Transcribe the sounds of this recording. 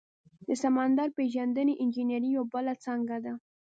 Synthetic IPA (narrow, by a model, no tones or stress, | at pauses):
d̪̥əsamɑnd̪ɑɾpeʒand̪əneʔɪnd͡ʒinaɾijawbəlat͡saŋɡad̪a